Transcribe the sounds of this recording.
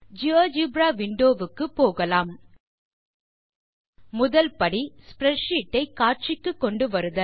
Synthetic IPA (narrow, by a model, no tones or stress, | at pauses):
d͡ʒɪoːd͡ʒiːbɾaːʋɪɳɖoːʋɯkːɯpoːɣɐlaːm | mʊðɐlpɐɽispɾɛʂiːʈːɐɪkaːʈ̚t͡ʃɪkːɯkːɔɳɖɯʋɐɾɯðɐ